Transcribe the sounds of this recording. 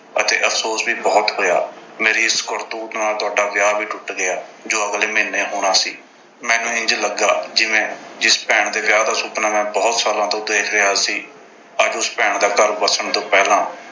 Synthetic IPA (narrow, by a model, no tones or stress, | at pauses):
ət̪ḛːʔəfʰsoːsʋiːbɔːt̪ɦoːja̰ːmeːɾiːɪskoɾt̪uːt̪naːlt̪ʊaːɖaːʋjaːbiːʈʊʈɡɪaːd͡ʒoːəɡleːmeːnːeːɦoːɽ̃aːsiː | mɛ̃ːnũːɪ̃ɲd͡ʒləɡaːd͡ʒɪʋẽːd͡ʒɪspɛːɳd̪eːʋjaːd̪aːsʊpnaːmɛ̃ːbɔːt̪saːlãːt̪õːd̪eːkʰɾeaːsiː | əd͡ʒʊspɛːɳd̪aːkəɾbəsəɳt̪õːpɛːlãː